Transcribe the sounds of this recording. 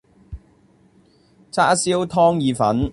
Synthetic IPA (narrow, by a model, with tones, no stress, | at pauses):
t͡sʰaː˥siː˥wt̪ʰɔː˥ŋjiː˨˧fɐ˨˥n